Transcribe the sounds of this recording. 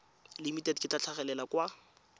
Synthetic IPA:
limitɛdkʼɪtat͡ɬʰaχɛlɛlakwa

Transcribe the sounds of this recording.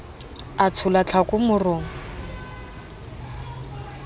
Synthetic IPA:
at͡sʰʊlat͡ɬʰakʼʊmʊrʊːŋ̩

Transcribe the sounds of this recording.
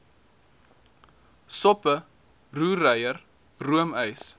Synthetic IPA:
sɔpə | ruːrəjər | ruəməjs

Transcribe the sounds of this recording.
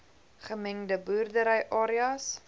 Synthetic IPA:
χəmɛŋdəbuːrdəɾəjʔɑːɾiɐs

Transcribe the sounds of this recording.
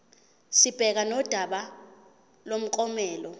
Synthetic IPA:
sib̥ʱɛk̬anɔd̥ʱaɓa | lom̩k̬ʼɔmɛːlɔ

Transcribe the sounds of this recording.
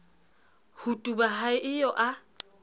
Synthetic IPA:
hutʼubaɦaɪʔɪjɔʔa

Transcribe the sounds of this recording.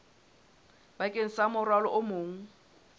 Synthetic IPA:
bakʼen̩samʊrwalɔʔʊmoːŋ̩

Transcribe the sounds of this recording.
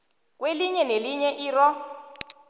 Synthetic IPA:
k̬ʼweliɲɛneliɲɛʔiːrɔ

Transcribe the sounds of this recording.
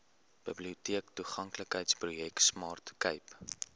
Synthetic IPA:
b̥əbliutiəktuχɐŋkləkɦəjtsprujɛksmɑːrtkəjp

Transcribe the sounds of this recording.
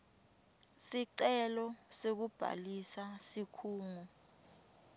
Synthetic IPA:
siǀɛlɔsek̬ub̥ʱa̰lisasikʰuːŋɔ

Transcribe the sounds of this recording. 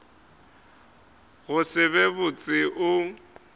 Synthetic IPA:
ɣʊsɪβɛbʊt͡sʼɪʔʊ

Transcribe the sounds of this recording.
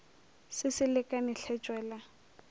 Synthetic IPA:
sɪsɪlɪkʼanɪɬʰɛt͡ʃʼwɛːla

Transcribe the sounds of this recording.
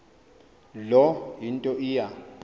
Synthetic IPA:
lɔɦintʼɔʔija

